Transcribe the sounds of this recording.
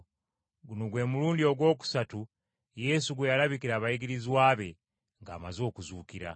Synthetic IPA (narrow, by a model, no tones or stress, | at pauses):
ɡunoɡwe̞muluːndio̞ɡwo̞ːk̬u̥satu | je̞suɡwejalaβikiɾaːβajiɡiɾiziwaːβe̞ | ŋɡaːmazo̞ːkuzuːkiɾa̰